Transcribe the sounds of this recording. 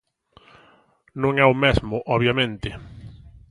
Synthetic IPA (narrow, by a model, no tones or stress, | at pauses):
nõŋɛʊmezmʊʔɔβjamẽnt̪ɪ